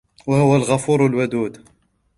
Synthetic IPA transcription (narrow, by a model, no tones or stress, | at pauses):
wahʊwːælɣɑfuɾˤwalwʊd̪uːd̪